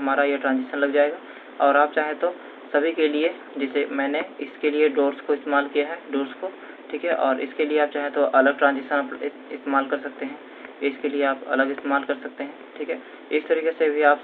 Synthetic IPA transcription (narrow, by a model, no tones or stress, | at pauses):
ɦɐmaːɾajeʈɾãːnzɪʃənlɐɡd͡ʒaːeːɡaː | ɔːɾaːpt͡ʃaːɦẽt̪o | sɐbʱikelie | d͡ʒɛsemɛ̃ːneɪskelieɖoːɾskoɪst̪eːmaːlkijaɦɛːɖoːɾsko | ʈʰiːkɦɛʔɔːɾɪ̰skelieaːp̚t͡ʃaːɦẽt̪oʔɐləɡ̚ʈɾãːnzɪʃənap | ɪst̪eːmaːlkɐɾsɐk̚t̪eɦɛ̃ː | ɪskelieaːpɐ̰ləɡɪst̪eːmaːlkɐɾsɐk̚t̪eɦɛ̃ːʈʰiːkɦɛː | ɪst̪ɐɾiːkesebʱiaːp